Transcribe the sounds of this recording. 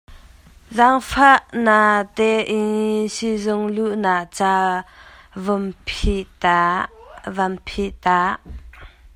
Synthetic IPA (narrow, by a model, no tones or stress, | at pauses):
zaŋfaʔnat̪ɛʔisizʊŋluʔnaʔt͡sa | vumpʰiʔt̪a | vampʰiʔt̪aʔ